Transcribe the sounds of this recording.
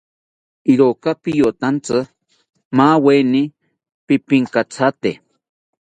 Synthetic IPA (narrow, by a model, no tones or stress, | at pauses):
iɾokapijot̪ant͡sɨ | maweni | pipiŋkat͡sʰat̪e